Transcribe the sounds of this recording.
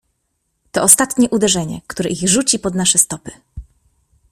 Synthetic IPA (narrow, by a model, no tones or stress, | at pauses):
t̪ɔɔst̪at̪ɲɛʔud̪ɛʐɛɲɛ̰kt̪uɾɛʔiɣʐut͡ɕipɔd̪naʂɛst̪ɔpɘ̥